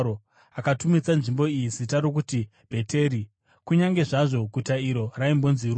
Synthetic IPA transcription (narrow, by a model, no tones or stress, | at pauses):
o | akatumit͡sanʐimbo̞izitaɾok̬uti | b̥ʱe̞tʰe̞ɾi | kuɲaŋɡe̞ʐaʐo̞ɡʱutaiɾo̞raimbo̞nziru